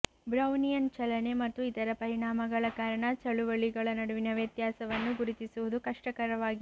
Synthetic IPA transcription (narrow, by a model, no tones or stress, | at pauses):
bɾɐwnijɐnt͡ʃɐlɐne̞mɐt̪ːuit̪ɐɾɐpɐɾiɳaːmɐɡɐɭɐkaːɾɐɳɐt͡ʃɐɭuʋɐɭiɡɐɭɐnɐɽuʋinɐʋjɐt̪jaːsɐʋɐnːuɡuɾit̪isuʋud̪ukɐʂʈɐkɐɾɐʋaːɡi